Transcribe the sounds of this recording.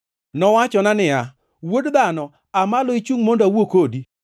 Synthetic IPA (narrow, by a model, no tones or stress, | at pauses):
nɔwat͡ʃɔnanɪa | wodd̪anɔ | amalɔit͡ʃuŋmondawokodi